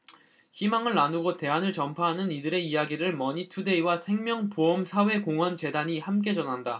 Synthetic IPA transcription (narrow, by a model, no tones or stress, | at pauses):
çimaŋɯɭːanuɡote̞anɯɭt͡ɕʌmpʰaɦanɯnidɯɾe̞ijaɡiɾɯɭmʌɲitʰude̞iwasʰe̞ŋmjʌŋpoʌmsʰawe̞koŋwʌnt͡ɕe̞daɲihamk̬͈e̞t͡ɕʌnɦanda